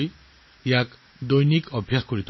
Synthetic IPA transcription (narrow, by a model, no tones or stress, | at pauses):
j | jak | d̪ɔjnikʌbʱjakkuɾit̪